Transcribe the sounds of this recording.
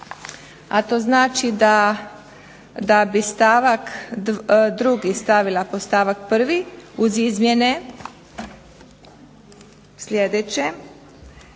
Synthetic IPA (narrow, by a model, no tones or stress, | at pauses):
a̰t̪o̞znaːt͡ʃid̪a | d̪abist̪aːʋak̪ | d̪ɾuɡist̪aʋilapost̪aːʋak̚pr̩ʋiuzizmjene | slʲjed̪et͡ɕe